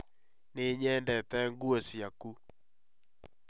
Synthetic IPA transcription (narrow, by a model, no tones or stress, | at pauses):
neɲɛndɛtɛŋɡuɔsjaku